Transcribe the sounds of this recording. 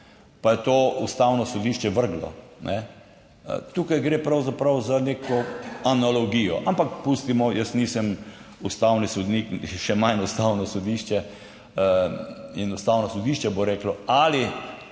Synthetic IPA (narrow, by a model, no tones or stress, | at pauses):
pajɛt̪oːust̪awnɔsɔd̪iʃt͡ʃɛʋəɾɡlɔ̰nʔɛ̰ | t̪uːkajɡɾeːpɾawzapɾawzaneːkɔanalɔɡijɔ̰ʔampakpust̪imɔjəsniːsəmust̪awnisɔd̪nikʃɛmanust̪awnɔsɔd̪iʃt͡ʃɛ | inust̪awnɔsɔd̪iːʃt͡ʃɛboɾɛːklɔali